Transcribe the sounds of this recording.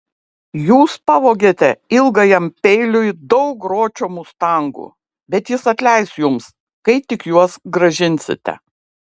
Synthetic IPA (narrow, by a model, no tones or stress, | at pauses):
juːspɑʋoːɡʲeːt̪ʲɛɪlˠɡɐjɛmʲpʲɛɪlʲʊjd̪ɐʊkɾoːt͡ʃʲomʊst̪ɐŋɡṵː | bʲɛt̪jɪsɐt̪ʲlʲɛɪsjʊms | kɐɪt̪ʲɪkjuɔsɡɾɐʒʲɪnʲsʲɪ̰t̪ʲɛ̰